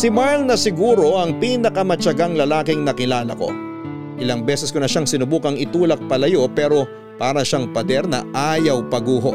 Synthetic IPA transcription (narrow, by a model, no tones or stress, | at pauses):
sɪmajlnɐsɪɡuːɾo̞ʔɐŋpiːnɐkɐmɐt͡ʃɐɡaŋlɐlaːkɪŋnɐkɪlaːlɐ̰ko̞̰ | ʔɪlɐŋbɛsɛskonɐʃaŋsɪnʊbuːkɐŋɪt̪uːlɐk̚pɐlɐjo̞pɛːɾo̞ | paːɾɐʃaŋpɐd̪ɛɾnɐ̰ʔaːjɐwpɐɡuːɦo̞